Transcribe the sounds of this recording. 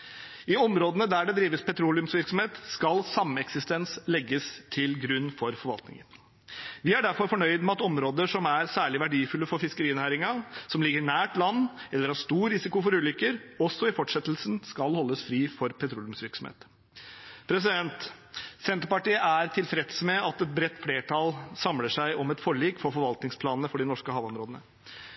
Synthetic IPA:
ɪɔmɾoːd̪ənəd̪æɖɛd̪ɾiːʋəspɛt̪ʰɾuːlɪʉmsʋɪɾksɔm̩heːt̪skɑlsɑmːəɛksɪst̪ɛnslɛɡːəst̪ʰɪlɡɾʉnːfɔɾfɔɾʋɑlt̪nɪ̰ŋən | ʋɪæɖæɾfɔɾfɔɳœʏd̪mɛɑt̪ɔmɾoːd̪əʂɔmæɾsæːɭɪʋæɖiːfʉlːəfɔɾfɪskəɾiːnæːɾɪŋɑsɔmlɪɡəɾɪnæːʈlɑnːɛlːəɾhɑʂt̪uːɾɾɪsɪkʊfɔɾʉːlʏkːəɾɔsːɔɪfɔʈʂɛt̪lsnskɑlhɔlːəsfɾiːfɔɾpʰɛt̪ʰɾuːljʉmsʋɪɾksɔmhḛːt̪ | pʰɾɛs̬ɪd̪ɛnt̪sɛnt̪əɾpɑʈiːəæɾt̪ʰɪlfɾɛt̪smɛɑt̪ɛt̪̚bɾɛt̪ːfleːʈʰɑlsɑmləʂæɪʔɔmɛt̪fɔɭiːkfɔɾfɔɾʋɑlt̪nɪŋspʰlɑːnənəfɔɖɪnɔʂkəhɑːʋɔmɾoːd̪ənə̰

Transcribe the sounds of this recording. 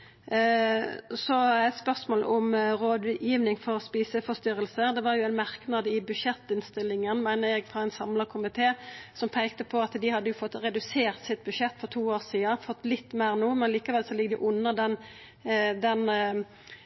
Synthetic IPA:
sɔæɪt̪spœʁsmoːlʊmɾoːd̪ʉjiːʋnɪŋfɔʁspiːsəfɔst̪ʏɾəlsəd̪ɛʋɑʁjʊæɪnmæʁknɑd̪əɪbʉʃɛt̪ːɪnst̪ɪlːɪŋənmæɪnəʁjɛɡfʁɑɛɪnsɑmləkʰʊmɪt̪ʰeːsɔmpʰæɪk̚t̪əpʰɔɑt̪d̪ɪhɑd̪ːəjʊfɔt̪ːʁɛd̪ʉseːʁt̪sɪt̪̚bʉʃɛt̪ːfɔʁt̪ʰuːoːʁsiːɑfɔt̪ːlɪt̪ːmæɪʁnuːmɛnɑliːkɑʋɛlsɔlɪɡd̪ɪʔʊnːəd̪ɛn | d̪ɛn

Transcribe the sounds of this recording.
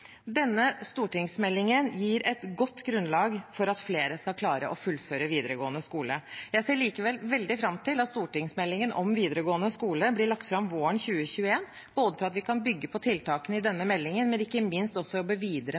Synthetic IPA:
d̪ɛnːəst̪uːʈɪŋsmɛlːɪŋənjiːɾɛt̪ɡɔt̪ːɡɾʉnlɑːɡfɔɾɑt̪fleːɾəskɑlkʰlɑːɾə̰ʔɔfʉlføːɾəʋiːd̪əɾəɡoːənəskuːləjæɪseːɭiːkəʋɛlʋɛld̪ɪfɾɑmt̪ʰɪlɑt̪st̪uːʈɪŋsmɛlːɪŋənʔɔmʋiːd̪əɾəɡoːənəskuːləblɪɭɑk̚t̪fɾɑmʋoːəɳçʉːəçʉːəeːn | b̥oːd̪əfɔɾɑt̪ʋɪkʰɑnbʏɡːəpʰɔt̪ʰɪlt̪ʰɑːkənɪd̪ɛnːəmɛlːɪŋənmɛnɪkːəmɪnst̪ɔsːɔjɔbːəʋiːd̪ɾə

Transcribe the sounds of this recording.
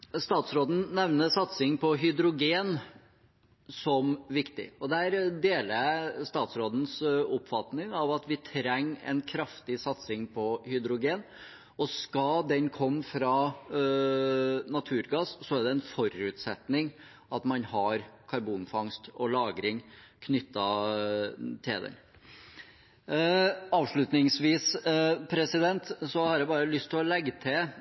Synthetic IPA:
st̪ɑːt̪sɾoːd̪n̩nɛʋnəsɑt̪sɪŋpʰɔɦʏd̪ɾʊɡeːn | sɔmʋɪkt̪ɪ̰ɔd̪æɾd̪eːləst̪ɑːt̪sɾoːd̪n̩sʊpfɑt̪nɪŋɑʋɑt̪ʋɪt̪ʰɾɛŋːɛ̰nkʰɾɑft̪ɪsɑt̪sɪŋpʰɔhʏd̪ɾʊɡeːn | ɔskɑd̪ɛnkʰɔmːfɾɑ | nɑt̪ʰʉːɾɡɑːssɔæɖ̪ɛɛnfɔɾʉt̪sɛt̪nɪŋ | ɑt̪mɑnhɑɾkʰɑɾbuːnfɑŋst̪ɔlɑːɡɾɪŋkʰnʏt̪ːɑ | t̪ʰɪld̪ɛ̰n | ɑːʋʂɭʉt̪nɪŋsʋiːspʰɾɛsɪd̪ɛnt̪sɔhɑɾjɛbɑːɾəlʏst̪ʰːɪlɔlɛɡːət̪ʰɪ

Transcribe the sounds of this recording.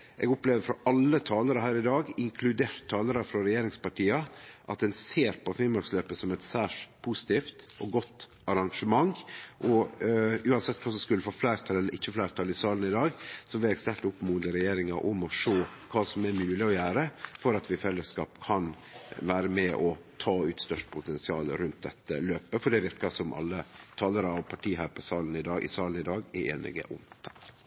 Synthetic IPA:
ʔɛɡʊpleːʋəɾfɾɔʔɑlːət̪ʰɑːləɾəhæːɾɪd̪ɑːɡɪŋkʰlʉd̪eːt̪ʰːɑːləɾɑfɾɔɾɛjeːɾɪŋspɑʈʰiːɑʔɑt̪̚d̪ɛnseːɾpʰɔfɪlmɑɾksløːpəsɔmɛt̪sæːʂpʰusɪ̥t̪iːft̪ʔɔɡɔt̪ː | ɑɾɑŋʂəmɑŋʔɔ | ʉːɑnsɛt̪ːkʰɑːsɔmskʉlːəfoːflæɪɾt̪ʰɑlɛlːəɾʔɪçːəflæɪɾt̪ʰɑlɪsɑːln̩ɪd̪ɑːɡsɔʋɪɛɡst̪ɛlt̪ʊpːmuːd̪əɾɛjeːɾɪŋɑʔʊmɔʂoːkʰɑːsɔmæɾmʉːlɪɔjæːɾəfɔɾɑt̪ʋɪfɛlːəskɑ̰ːpkʰɑn | ʋæːɾəmɛʔɔt̪ʰɑːʉːt̪st̪œʂʈpʰʊt̪ɛnsɪɑːlɾʉnt̪̚d̪ɛt̪ːəløːpəfɔɖɛʋɪɾkɑsɔmʔɑ̰lːət̪ʰɑːləɾɑɑʋpʰɑʈʰiːɦæɾpɔsɑːlənɪd̪ɑːɡʔɪ̰sɑːlənɪd̪ɑːɡɪḛːnɪ̰ɡə̰ʔʊ̰mt̪ʰɑ̥k

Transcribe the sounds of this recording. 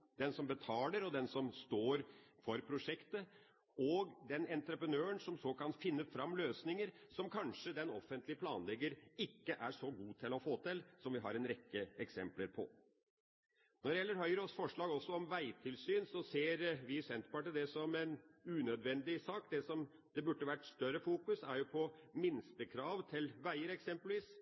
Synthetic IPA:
d̪ɛnsɔmbət̪ʰɑːləɾɔd̪ɛnsɔmst̪oːɾfɔɾpʰɾʊʂɛkt̪ə | ɔɡd̪ɛnɛnt̪ɾəpɾənøːənsɔmsɔkɑnfɪnːəfɾɑmːløːsnɪŋəɾsɔmkʰɑnʂəd̪ɛnɔfːənt̪lɪəpʰlɑ̰ːnlɛɡːəɾɪkːəʔæʂɔɡuːt̪ʰɪlɔfoːt̪ɪlsɔmʋɪɦɑ̰ɾɛnɾɛkːəɛksɛ̰mpləɾpʰɔ̰ | nɔɾjɛlːəɾɦœʏəɾɔsfɔʂɭɑːɡɔsːɔɔmʋæɪt̪ʰɪlsyːnsɔseːɾʋɪsɛnt̪pɑʈəd̪ɛsɔmɛnʉːnœd̪ʋɛnd̪ɪsɑːkd̪ɛsɔm | d̪̥ɛbʉʈːəʋæʈːst̪œɾəfuːkʉsæɾjʊpʰɔmɪnst̪əkʰɾɑːʋt̪ʰɪlʋæɪəɾɛksɛmpəlʋiːs

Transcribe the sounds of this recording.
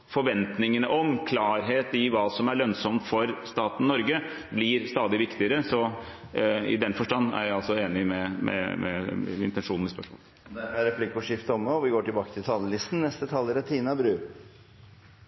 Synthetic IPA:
fɔɾʋɛnt̪nɪŋənəʔɔmkʰlɑːɾɦeːt̪ɪʋɑːsɔmæɭœnsɔmt̪fɔɾst̪ɑːt̪n̩nɔɾɡə | blɪɾst̪ɑːd̪ɪʋɪkt̪ɪəɾəsɔ | ɪ̰d̪ɛnfɔʂʈɑnːæ̰ɾjæɪɑlsɔeːnɪmɛmʔɛ̰mɛ̰ɪ̰nt̪ɛnʂuːnn̩ɪspœʂmo̰ːl | æɾmæɾɛplɪkːʊʂɪft̪əɔmːəɔʋɪɡoːʈɪlbɑːkət̪ʰɪlt̪ʰɑːlːəlɪst̪n̩nɛst̪ət̪ʰɑlːəɾɛt̪ʰiːnɑbɾʉː

